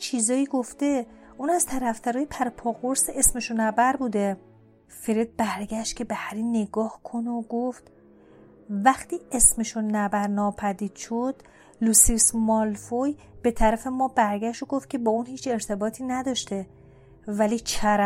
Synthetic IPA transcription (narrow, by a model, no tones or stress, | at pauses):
t͡ʃʰiːzɒːjiːɡo̞ft̪e̞ | ʔuːnæzt̪ʰæɾæft̪æɾɒːjepʰæɾpʰɒːɣo̞ɾseʔesmeʃonæbæɾbuːd̪e | feɾed̪̚bæɾɡæʃt̪̚cʲʰe̞behæɾinːe̞ɡɒːhkʰo̞noɡoft̪ | væxt̪iːesmeʃonæbæɾnɒːpʰæd̪iːd̪̥ʃod̪̥ | lusismɒlfojb̥e̞t̪ʰæɾæfe̞mɒːbæɾɡæʃt̪oɡo̞ft̪̚cʰe̞bɒːunhiːt͡ʃʰe̞ɾt̪ʰe̞bɒːt̪ʰiːnæd̪ɒːʃt̪e | væliːt͡ʃʰæɾ